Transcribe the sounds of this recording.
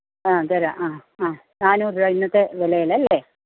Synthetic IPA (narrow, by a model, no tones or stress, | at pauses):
aːɡɐɾaʔaːaːnaːnuːrɾɐjinːɐt̪ːeʋelɐjɐlɐlːe